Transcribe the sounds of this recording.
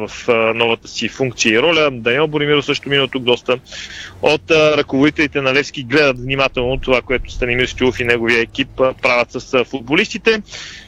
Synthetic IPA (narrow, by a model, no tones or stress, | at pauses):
vɐfnɔvət̪ə̥sifuŋk̚t̪siəiɾɔlʲəd̪ɐniɛlˠboɾimiɾofsəʃt̪ominət̪uk̚d̪ɔst̪ə | ot̪ɾɐkovod̪it̪ɛlit̪ɛnɐlɛfsk̟ʲiɡlɛd̪ət̪vnimat̪ɛlˠnot̪ovakoɛt̪ʊ̥st̪ɐnimiɾsk̪ʲilˠufinɛɡoviəɛk̟ippːɾavʲət̪səsfud̪̚bolist̪it̪ɛ